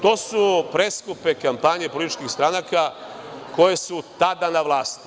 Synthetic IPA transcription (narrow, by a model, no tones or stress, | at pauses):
t̪o̞ːsupɾeskupe̞kampaɲepolit̪it͡ʃkixst̪ɾanakako̞je̞sut̪ad̪anaʋlˠaːst̪i̥